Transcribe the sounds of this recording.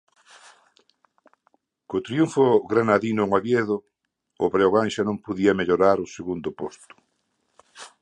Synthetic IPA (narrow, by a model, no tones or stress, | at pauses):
kot̪ɾjuɱfʊɣɾanaðinoŋaβjeðʊ | ʊβɾeoɣanʃanõmpoðiɐmeʎoɾaɾʊseɣund̪ʊpost̪ʊ̥